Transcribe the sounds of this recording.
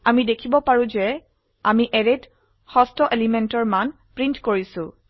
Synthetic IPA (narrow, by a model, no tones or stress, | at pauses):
amidekʰibɔpaɹũzɛ | amiʔeɹet | xɔstɔʔelimentɔɹman | pɹintkoɹisʊ̃